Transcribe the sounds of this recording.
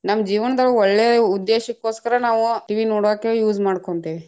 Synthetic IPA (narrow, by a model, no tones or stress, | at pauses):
nɐmːɐd͡ʒiːʋɐnɐd̪ɐɭːuɔɭːeːud̪ːeːʃɐkːoːskɐɾɐnaːʋuʈiʋinoːɽaːkejuːd͡ʒmaːɽkoɳt̪iʋi